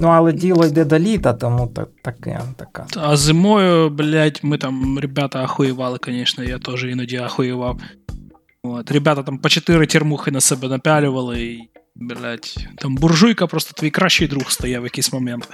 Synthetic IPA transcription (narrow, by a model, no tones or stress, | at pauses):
nualˠɐdʲilˠɐjd̪ɛd̪ɐlʲit̪ɐt̪ɐmut̪ɐ̰t̪ɐka̰t̪ɐka̰ɐzɨmojʊblʲætʲmɨt̪amɾʲɪbʲat̪əɐxʊjɪvalˠɨkɐnʲeʂnəjat̪o̞ʐɨɪnʊdʲiɐxʊjɪvaf | vot̪ɾʲɪbʲat̪ət̪ampət͡ɕɪt̪ɨɾɨtʲɪrmuxɨnɐsɛbʲənɐpʲælʲɪvəlˠɨiblʲætʲt̪ambʊrʐujkəpɾo̞st̪ə̥t̪vjkɾaɕːɪjd̪ɾuxst̪ɐjavʲɐkʲisʲmɐmʲent̪